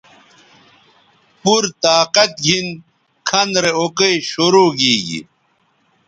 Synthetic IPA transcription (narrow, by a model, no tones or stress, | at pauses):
puɾt̪aːqɐt̪̚ɡʱin | kʰɐnɾeokejɕoɾoːɡiːɡḭ